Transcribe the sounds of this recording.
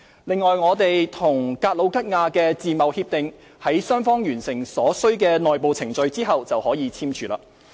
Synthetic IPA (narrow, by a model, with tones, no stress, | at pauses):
lɪ˨ŋːɔː˨jŋɔː˨˧t̪e˨jt̪ʰʊ˨˩ŋkaː˧t̚lo˨˧wkɐ˥t̚ŋaː˧kɛː˧t͡siː˨mɐ˨whiː˧p̚t̪ɪ˨ŋ | hɐ˨˥jsœː˥ŋfɔː˥ŋjyː˨˩nsɪ˨˩ŋsɔː˨˥sɵ˥ɥkɛː˧nɔː˨˩jpo˨wt͡sʰɪ˨˩ŋt͡ʃɵ˨˧ɥt͡siː˥ɦɐ˨wt͡sɐ˨whɔː˨˥jiː˨˧t͡sʰiː˥mt͡ʃʰyː˨˧la̰ː˧